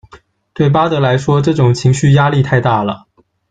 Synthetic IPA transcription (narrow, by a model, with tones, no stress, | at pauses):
t̪we˥˩ɪp̬a˥t̪ɤ˧˥la˧˥ɪʂwɔ˥ʈ͡ʂɤ˥˩ʈ͡ʂʊ˨˩ŋt͡ɕʰi˧˥ŋɕy˥˩ja˥li˥˧t̪ʰa˥˧ɪt̪a˥˩lə̰˩